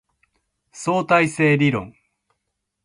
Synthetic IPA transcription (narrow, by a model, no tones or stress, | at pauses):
so̞ːt̪aise̞ːɾʲiɾõ̞̰ŋ